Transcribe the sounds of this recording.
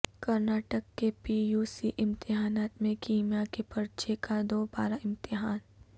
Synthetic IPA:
kɐɾnaːʈəkːepijuːsiʔɪ̃mt̪ɪɦaːnaːt̪mẽkiːmjakepɐɾt͡ʃekad̪oːbaːɾaɪ̃mt̪ɪɦaːn

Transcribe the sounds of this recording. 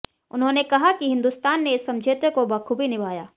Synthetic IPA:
ʊnɦõːnekɐɦakiɦɪ̃nd̪ust̪aːnːeɪsːɐ̃md͡ʒʱeːt̪əkobɐkʰubʱinɪbʱaːja̰ː

